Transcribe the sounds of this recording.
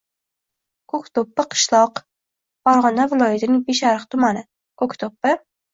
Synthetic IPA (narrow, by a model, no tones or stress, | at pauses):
kʰokt̪opːɪqʰɨ̥ʃlˠɒq | b̥ɒɾʁɒnavɪlˠɒjat̪ʰɪnɪŋbeʃaɾɨχqt̪ʰʊmanɪ | kʰokt̪ʰopːɪ